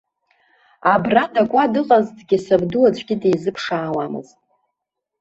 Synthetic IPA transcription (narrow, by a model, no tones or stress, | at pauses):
abradakʷʼadɨqʼazdɡʲɪsabdulat͡ɕʷʰʼɡʲɪdejzɨpʰʂaːwamɨ̰ztʼ